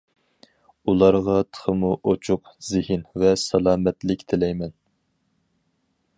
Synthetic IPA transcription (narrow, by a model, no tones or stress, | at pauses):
ulˠɑɾʁɑt̪ʰə̥χʰəmuʔot͡ʃʰʊqz̥ɪhɪnvɛsɑlˠɑːmɛt̪lɪkʲt̪ʰɪlɛjmɛn